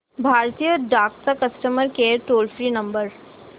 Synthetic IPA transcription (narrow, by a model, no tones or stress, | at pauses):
bʱaːɾt̪ijəɖaːksakɐsʈəməɾkeʈoːlfɾinɐ̃mbəɾ